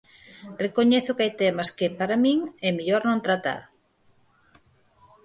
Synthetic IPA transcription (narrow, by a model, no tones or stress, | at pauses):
rekoɲeθʊkajt̪ɛmaskepaɾamĩŋɛmiʎoɾnõnt̪ɾat̪a̰ɾ